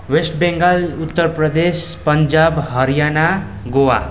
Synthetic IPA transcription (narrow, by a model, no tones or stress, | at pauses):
wesʈbeŋɡalut̪ːəɾpɾəd̪espənd͡ʒabɦʌɾijana | ɡowa̰